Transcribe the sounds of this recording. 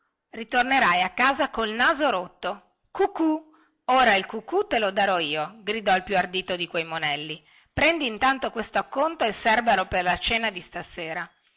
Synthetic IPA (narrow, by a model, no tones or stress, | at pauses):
rit̪orneɾajakːaːzakoilnaːzoɾot̪ːo | kuku | oːɾailkukːut̪elod̪aɾɔiːoɡɾid̪ɔalpjuard̪iːt̪od̪ikwejmonɛlːi | pɾɛnd̪iːnt̪ant̪okwest̪oakːont̪oesɛrbaloperlat͡ʃeːnad̪ist̪aseːɾa